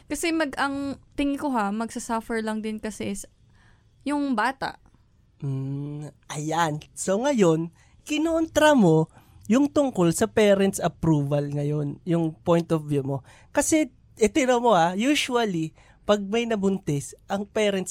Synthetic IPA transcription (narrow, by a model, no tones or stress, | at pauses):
kɐsɛmɐɡʔɐŋt̪ɪŋɪkoɦamɐɡsɐsɐfɛɹlɐŋd̪ɪnkɐsɛs | jʊŋbaːt̪a̰ʔ | m̩ʔɐjanso̞ŋɐjo̞n | kɪnoʔont̪ɾɐmo̞ | jʊŋt̪ʊŋko̞lsɐpɛːɾɛnt̪sɐpɾuːvɐlŋɐjo̞njʊŋpojnt̪ofjumo̞ | kɐsɛ | ʔɪt̪ɪnomo̞hajuːʃuɐli | pɐɡ̚mɐjnɐbʊnt̪ɪsʔɐŋpɛːɾɛnt̪s